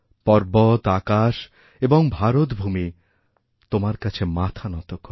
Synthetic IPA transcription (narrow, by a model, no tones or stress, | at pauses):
pɔɾbot̪akaʃ | eboŋbʱaɾot̪bʱumi | t̪omaɾkat͡ɕʰemat̪ʰanɔt̪okoɾ